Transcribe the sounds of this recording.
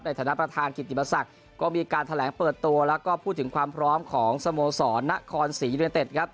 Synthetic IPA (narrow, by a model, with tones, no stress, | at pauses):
p̚na˧jt̪ʰːna˦˥˩pɾa˧t̪ʰaː˧nki˨˩t̪̚ʰːi˨˩pːa˧sa˨˩k̚ | kɔː˥˩miː˧kaː˧nt̪ʰa˧lɛː˩˦ŋpɤː˨˩t̪ːu˧ɐlɛː˦˥wkɔː˥˩pʰuː˥˩t̪ʰːɯ˩˦ŋkʰwaː˧mpʰɾɔː˦˥mkʰɔː˩˦ŋsa˧moː˧sɔː˩˦nːa˦˥ʔkʰɔː˧nsiː˩˦ju˧t̪e˨˩t̪̚kʰɾa˦˥p̚